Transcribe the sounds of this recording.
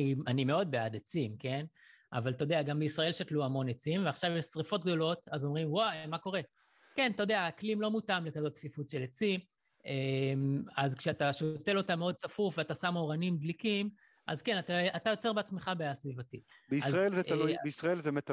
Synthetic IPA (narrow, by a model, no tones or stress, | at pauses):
ianime̞o̞d̪̚bead̪et͡simke̞n | a̰valt̪ood̪eaɡambeisʁaelʃatluamo̞net͡simveaχʃavesʁifo̞t̪̚ɡdo̞lo̞tazo̞mʁimwamako̞ʁe̞ | ke̞nt̪ajod̪eaːklimlo̞mutamlekazo̞tt͡sfifutʃelet͡sim | emazkʃeataʃote̞lo̞tameo̞d̪̚t͡safufveatasamoʁanimd̪likim | ʔa̰zkenataatajo̞t͡se̞ʁbeat͡smeχabejasvivatibeiaʁaelzeaueisʁaelzemet̪